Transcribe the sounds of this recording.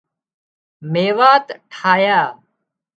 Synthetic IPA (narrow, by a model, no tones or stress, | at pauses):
meːʋaːt̪ʈʰaːjaː